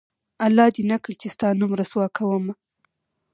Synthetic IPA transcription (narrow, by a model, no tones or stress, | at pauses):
alːɑd̪inakɽit͡ʃest̪ɑnumɾaswɑkʰawəma